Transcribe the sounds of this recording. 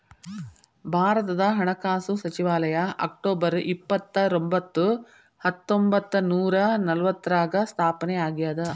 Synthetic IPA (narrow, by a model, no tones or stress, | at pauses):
bʱaːɾɐt̪ɐd̪ɐɦɐɳɐkaːsusɐt͡ʃiʋaːlɐjɐʔɐ̰k̚ʈoːbɐɾʔipːɐt̪ːɐɾombɐt̪ːu | hɐt̪ːombɐt̪ːɐnuːɾɐnɐlɐʋɐt̪ːɐɾaːɡɐst̪ʰaːpɐneaːɡijaːd̪ɐ